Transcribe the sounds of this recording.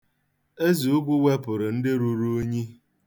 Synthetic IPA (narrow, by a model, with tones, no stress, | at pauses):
e˦zi˨u˦ɡʷu˦wʷe˦pʊ˨ɾʊ˨n̩˦dɪ˦ɾu˦ɾu˦o˦ɲi˦